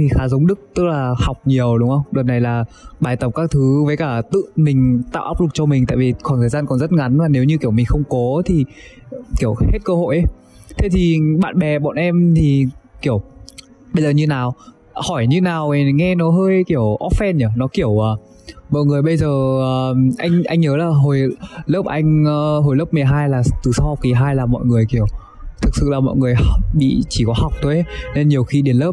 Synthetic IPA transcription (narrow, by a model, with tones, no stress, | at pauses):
i˨˩xaː˨˦zə˨˦wŋ͡mɗɨ˦˥k̚t̪ɨ˦˥k̚laː˨˩ha˨˩wk͡p̚ɲi˨˩əwɗʊ˨˦wŋ͡mʔə˧wŋ͡mɗəː˨˩t̚na˨˩jlaː˨˩ɓaː˨˩jt̪ə˨˩p̚kaː˦˥k̚t̪ʰɨ˨˦vəː˨˦jkaː˧˩t̪ɨ̰˧˨mï˨˩ŋ̟t̪a̰ː˧˨wʔaː˦˥wk͡p̚lɨ˨˩k̚t͡ɕɔ˧mï˨˩ŋ̟t̪a̰ː˧˨jvi˨˩kɔ˨˩nt̪ʰəː˨˩jzaː˧nkɔ˨˩nzə˦˥t̚ŋa˨˦nlaː˨˩ne˨˦wɲɨ˧ki˧˩əwmï˨˩ŋ̟xə˧wŋ͡mkɔ˨˦t̪ʰi˨˩ | ki˧˩əwhe˦˥t̚kəː˧ho̰˧˨jʔə˦ | t̪ʰe˨˦t̪ʰi˨˩ɓa̰ː˧˨nɓɛ˨˩ɓɔ̰˧˨nʔɛ˧mt̪ʰi˨˩ki˧˩əw | ɓə˧jzəː˨˩ɲɨ˧˩naː˨˩w | hɔ˧˩jɲɨ˧naː˨˩we˨˩ŋɛ˧nɔ˨˦ɦəː˧jki˧˩əwʔɔ˦˥p̚fɛ˧nə˧˩nɔ˨˦ki˧˩əwəː˨˩ | mɔ̰˧˨jŋɨ˨˩əjɓə˧jzəː˨˩əː˨˩ʔa̰˧jŋ̟ʔa˧jŋ̟ɲəː˨˦laː˨˩ɦo˨˩jləː˦˥p̚ʔa˧jŋ̟ː˧ɦo˨˩jlə˦˥p̚mɨ˨˩əjɦaː˧jlaː˨˩t̪ɨ˨˩sa˧wha˨˩w̚k͡p̚ki˨˩ɦaː˧jlaː˨˩mɔ̰˧˨jŋɨ˨˩əjki˧˩əw | t̪ʰɨ˨k̚sɨ̰˧˨laː˨˩mɔ̰˧˨jŋɨ˨˩əjɓḭ˧˨t͡ɕi˧˩kɔ˨˦ha˨˩wk͡p̚t̪ʰo˧jʔne˧nɲi˨˩əwxi˧ɗi˨˩ənləː˦˥p̚